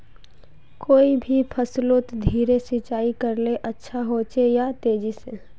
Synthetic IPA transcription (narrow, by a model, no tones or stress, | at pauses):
koːibʱipʰəslot̪d̪ʱiːɾesɪt͡ʃaːikəɾleʔətːʃʰaɦot͡ʃejat̪eːd͡ʒise